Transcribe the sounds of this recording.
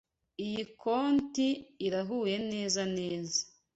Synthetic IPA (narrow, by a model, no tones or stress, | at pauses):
ijikʰoːntiːɾaɦuːje̞ne̞ːzane̞ːzḁ